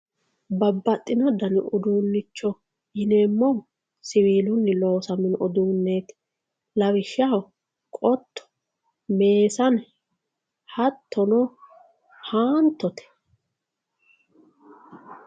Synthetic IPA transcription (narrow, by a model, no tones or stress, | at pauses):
bɐbːɐt̪ʼːɪnɐd̪ɐnʊd̪uːnːɪt͡ʃːɔ | jɪneːmːɔ | sɪwiːlʊnːɪloːsɐmɪnʔɔd̪uːnːeːt̪ | lɐwɪʃaw | kʼɔt̪ʰːɔ̥ | me̞ːsɐn | hɐt̪ʰːɔnɔ | haːnt̪ːɔt̪ɛ̥